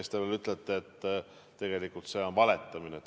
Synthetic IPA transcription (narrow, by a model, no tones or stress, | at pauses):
est̪evelyt̪ˑlet̪ːˑeːt̪ː | e̞ɡ̥e̞likult̪se̞o̞nvɑle̞t̪ːˑɑminet̪